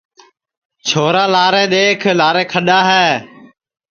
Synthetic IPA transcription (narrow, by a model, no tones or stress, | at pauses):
t͡ʃʰoːɾaːlaːɾẽːɗ̪eːkʰlaːɾẽːkʰəɗaːɦɛː